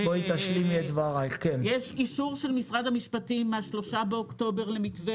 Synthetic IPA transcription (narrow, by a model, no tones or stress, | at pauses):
boit̪aʃlimed̪vaʁajkenjeʃiʃuʁʃelmisʁad̪hamiʃpatimeaʃlo̞ʃabeokt̪o̞be̞ʁlemitve